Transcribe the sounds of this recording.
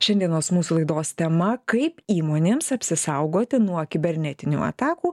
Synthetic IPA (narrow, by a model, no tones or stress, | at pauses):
ʃʲɛnd̪ʲiɛnoːsmuːsulˠɐɪd̪oːst̪ʲɛmɐkɐɪpiːmoːnʲeːmsɐpʲsʲɪsɐʊɡoːt̪ʲɪnuɔkʲɪbʲɛɾʲnʲɛt̪ʲɪnʲṵːɐ̰t̪ɑːkuː